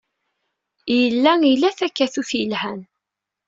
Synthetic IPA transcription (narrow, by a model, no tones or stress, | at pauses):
jəlːæilːæθækːæθuθjəlhæn